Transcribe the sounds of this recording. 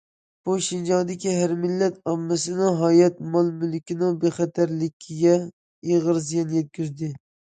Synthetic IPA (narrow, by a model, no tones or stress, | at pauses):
b̥uʃind͡ʒɑŋd̪ɪkʲiɦæɾmɪlːɛt̪ɑmːɪsɪnɪŋɦɑːjɛt̪mɑlˠmylɪkʲɪnɪŋbeχɛt̪ʰæɾlɪkʲʰːiɡʲɛ | eʁəɾs̬ijɛnjɛt̪̚kʲʰyzd̪ɪ